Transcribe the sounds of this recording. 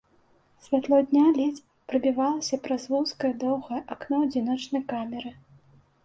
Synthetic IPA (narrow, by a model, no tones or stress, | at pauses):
sʲvʲat̪lˠɔd̪ʲnʲalʲɛt͡sʲ | pɾɨbʲivalˠɐsʲɐpɾɐzvuwskɐjɐd̪ɔwɣɐjʔaknɔd͡zʲinɔt͡ʂnɐjkamʲɛɾɨ